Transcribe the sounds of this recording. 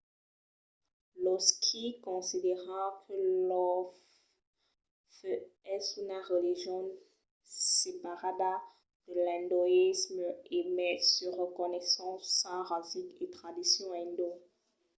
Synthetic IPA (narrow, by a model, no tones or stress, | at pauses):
lɔskʰikɔ̃sid̪eʁɑ̃kʰəlɔ | fəɛsunaʁəliʒjɔ̃n | sepaʁad̪a | d̪̥əlɛ̃nd̪ɔismemɛsəʁəkɔnɛsɑ̃ːɑ̃ʁaziket̪χad̪isjɔ̃ɛ̃nd̪o